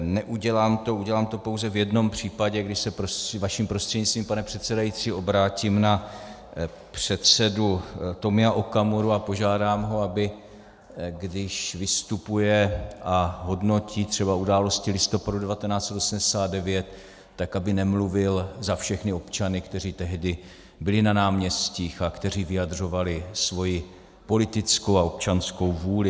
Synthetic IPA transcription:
nɛʔuɟɛlaːmt̪o̞uɟɛlaːmt̪o̞po̞wzɛvjɛdno̞mpr̝̥iːpaɟɛɡdɪʃsɛpɾovaʃimpɾo̞st̪r̥ɛdɲɪt͡st̪viːmpanɛpr̥ɛt̪t͡sɛdajit̪rɪʔo̞bɾaːciːmna | pr̝̥ɛt̪sɛdut̪o̞mɪaʔokamoɾuapo̞ʒaːdaːmɦo̞abɪ | ɡdɪʃvɪst̪upujɛʔaɦo̞dno̞cʰiːt̪r̝̥ɛbaudaːlo̞scɪlɪst̪o̞padudɛvat̪ɛnaːt͡sɛt̪ʔo̞sm̩dɛsaːt̪̚dɛvjɛt̪ː | akabɪnɛmluvɪlzafʃɛxnɪo̞pt͡ʃanɪkt̪ɛr̝iːt̪ɛɦdɪ | bɪlɪnanaːmɲɛsciːxakt̪ɛriːvɪjad̪r̝o̞valɪsvo̞jɪ | po̞lɪt̪ɪt͡sko̞waop̚t͡ʃansko̞wvuːlɪ

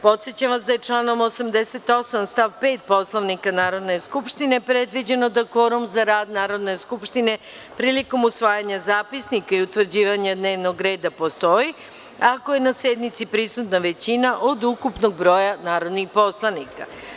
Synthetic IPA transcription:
po̞t̪sjet͡ɕamʋasd̪aje̞t͡ʃlˠaːno̞mosamd̪eset̪o̞samst̪aʋpe̞ːt̪̚po̞slˠoʋnikanaːɾo̞d̪ne̞skupʃt̪ine̞pɾed̪ʋid͡ʑe̞no̞d̪ako̞ɾumzaɾaːd̪naːɾo̞d̪ne̞skupʃt̪ine̞ | pɾiːliko̞musʋaːjaɲazaːpisnikaiut̪ʋr̩d͡ʑiːʋaɲad̪ne̞ːʋno̞ɡɾeːd̪apo̞st̪o̞ji | ako̞je̞nased̪mit̪sipɾisut̪naʋe̞t͡ɕinaʔod̪ukupno̞ɡ̚bɾo̞ːjanaːɾo̞d̪nixpo̞slˠanika̰

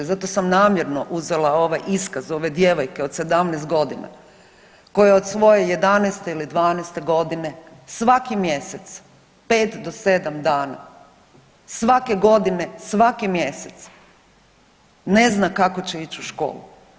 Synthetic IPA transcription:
zat̪o̞samnaːmjeɾno̞ʔuze̞lˠao̞ʋajʔiskazo̞ʋe̞d̪je̞ʋo̞jke̞o̞d̪se̞d̪amnɛːst̪̚ɡo̞d̪ina̰ | ko̞jeod̪sʋo̞jeje̞d̪anɛst̪eilid̪ʋaːnɛst̪e̞ɡo̞d̪ine̞ | sʋakimje̞set̪s | pe̞ːt̪d̪o̞se̞d̪amd̪aːna̰ | sʋake̞ɡo̞d̪ine̞sʋakimje̞set̪s | neznakako̞t͡ɕeit͡ɕuʃko̞̰ːlṵ

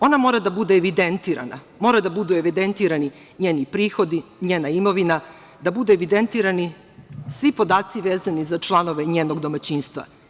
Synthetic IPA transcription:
o̞namo̞ɾad̪abud̪eːʋid̪ent̪iːɾa̰na̰ | mo̞ːɾad̪abud̪ueʋid̪ent̪iɾani | ɲeːnipɾiːxo̞d̪iɲeːnaimo̞ʋina | d̪abud̪ueʋid̪ent̪iːɾani | sʋipo̞d̪aːt̪siʋeːzanizat͡ʂlˠano̞ʋe̞ɲeːno̞ɡd̪o̞mat͡ɕiːnst̪ʋa̰

